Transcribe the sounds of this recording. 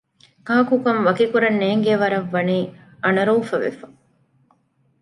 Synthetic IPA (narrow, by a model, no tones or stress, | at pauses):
kaːkukɐmʋɐkikuɾɐnːeːŋɡeʋɐɾɐʋːɐniː | ɐnɐɾuːfɐʋḛfɐ̥